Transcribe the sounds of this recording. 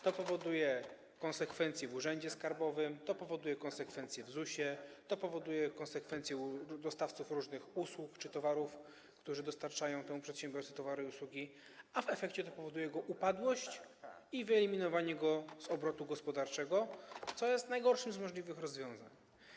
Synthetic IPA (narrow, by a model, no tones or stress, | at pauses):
t̪ɔpɔvɔd̪ujɛ | kɔnsɛkfɛnt̪sʲjɛvuʐɛɲd͡ʑɛskaɾbɔvɘmt̪ɔpɔvɔd̪ujɛkɔ̃nsɛkfɛnt̪sʲjɛvzuɕɛt̪ɔpɔvɔd̪ujɛkɔ̃nsɛkfɛnt̪sʲjɛd̪ɔst̪aft̪sufɾuʐnɘxuswukt͡ʂɘt̪ɔvaɾuf | kt̪uʐɘd̪ɔst̪aɾt͡ʂajɔ̃w̃t̪ɛmupʂɛt̪ɕɛ̃mʲbjɔɾt̪ɛt̪ɔvaɾɪiuswuɡʲi | avɛfɛkt͡ɕɛt̪ɔpɔvɔd̪ujɛɡɔʔupad̪wɔɕt͡ɕivɘɛlʲimʲinɔvaɲɛɡɔzɔbɾɔt̪uɡɔspɔd̪aɾt͡ʂɛɡɔt̪sɔjɛst̪najɡɔɾʂɘmzmɔʐlʲivɘxɾɔzvʲjɔ̃w̃za̰ɲ